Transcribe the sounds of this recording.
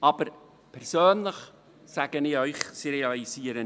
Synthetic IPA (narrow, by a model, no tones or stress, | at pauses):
ɑb̥əɾ | pʰɛɾsøːnləχ | saːɡ̥ənɪːœʏχseɾeɑlisiːəɾə